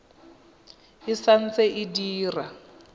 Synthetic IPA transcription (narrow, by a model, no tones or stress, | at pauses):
ɪsan̩t͡sʼɛʔɪdiːra